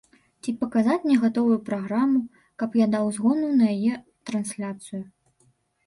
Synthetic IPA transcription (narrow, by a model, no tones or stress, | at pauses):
t͡sʲipɐkazat͡sʲnʲɛɣat̪ɔvujupɾaɣɾamu | kɐpjad̪awzɣɔnunɐjajɛ | t̪ɾɐnsʲlʲat̪sɨju